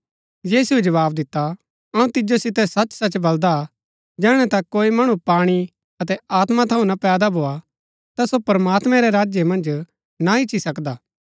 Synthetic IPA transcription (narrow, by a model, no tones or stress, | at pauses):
jiːsued͡ʒɐʋaːbd̪ɪt̪ːa | ɐũt̪ɪd͡ʒosɪt̪ɛsɐt͡ʃsɐt͡ʃbɐld̪a | d͡ʒɛːɽ̃ɛ̃t̪akoːimɐɽ̃upaːɽ̃i | ɐt̪̬ɛaːt̪mat̪ʰɐũnapɛːd̪abʱoːa | t̪asopɐɾmaːt̪mɛ̃ɾɛɾaːd͡ʒjemɐ̃nd͡ʒ | naɪt͡ʃʰːisɐkd̪aː